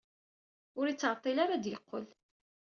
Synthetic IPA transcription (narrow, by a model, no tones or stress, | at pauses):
ʊɾit͡sːʁət̪ˤːilaɾad̪jəqːə̰l